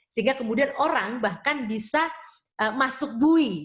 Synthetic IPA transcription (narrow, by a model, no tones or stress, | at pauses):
səiŋɡakəmudianoɾaŋbahkanbisa | ʔəmasʊk̚bui